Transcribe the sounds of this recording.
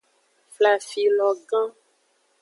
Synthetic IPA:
fla˨fi˨lɔ˨ɡã˦

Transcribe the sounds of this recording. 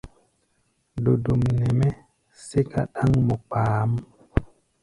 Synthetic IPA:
do˨do˨mne˨me˦ | se˦ka˦ɗa˦ŋmo˨k͡paː˨˦m

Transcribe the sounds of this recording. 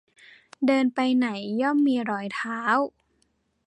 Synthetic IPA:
dɤː˧npa˧jna˩˦jːɔ˥˩mːiː˧ɾɔː˨˩˦jt̪ʰaː˦w

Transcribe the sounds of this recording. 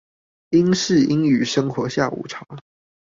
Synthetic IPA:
i˦˥ŋʂɻ̩˥˨i˦ŋy˨˩ʂə˥ŋxwɔ˨˥˦ɕja˥˩ṵ˨˩ʈ͡ʂʰɑ˨˥˦ʊ

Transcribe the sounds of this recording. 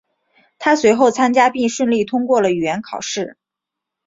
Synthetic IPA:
t̪ʰa˥swe˧˥ɪxo˥˩ʊt͡sʰa˥nt͡ɕja˥pi˥˧ŋʂwə˥˧nli˥˩t̪ʰʊ˥ŋkwɔ˥˩lə˩y˨˩ɥɛ˧˥nkʰɑ˨˩ʊʂɻ̩˥˩

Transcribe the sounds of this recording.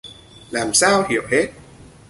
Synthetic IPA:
laː˨˩msaː˧whi˧˨əwhe˦˥t̚

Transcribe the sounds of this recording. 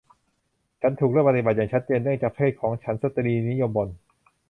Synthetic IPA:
t͡ɕʰa˦˥nt̪ʰuː˨˩kɾɯ˥˩˨pa˧t̪i˧ba˨˩t̪jaː˨˩ŋt͡ɕʰa˦˥t̪̚t͡ɕeː˧ndɯ˥˩əŋt͡ɕaː˨˩k̚pʰeː˥˩kʰɔː˩˦ŋt͡ɕʰa˦˥nsa˧˥t̪ːa˧niː˧ni˦˥jo˧mbo˧n

